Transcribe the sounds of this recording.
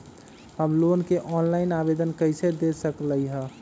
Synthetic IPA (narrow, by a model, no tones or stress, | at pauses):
həmlonkeʔɔnlainabed̪ənkəjsed̪esəkləjɦə